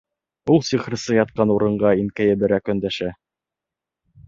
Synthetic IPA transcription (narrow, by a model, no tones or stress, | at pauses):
ulˠsiχɾɤ̆sɤjɑt̪̚qɑnuɾɤ̆ɴɢɑinkæjɘbɘ̆ɾækɵ̆nd̪æʃæ